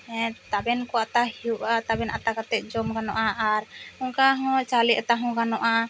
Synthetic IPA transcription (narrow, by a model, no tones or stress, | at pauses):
ɛ̃t̪abɛnkɔat̪ahiuʔat̪abɛnʔat̪akat̪ɛt̪̚d͡ʒɔmɡanɔʔaʔaɾɔŋkaɦɔ̃t͡ʃalɛʔat̪aɦɔ̃ɡanɔʔa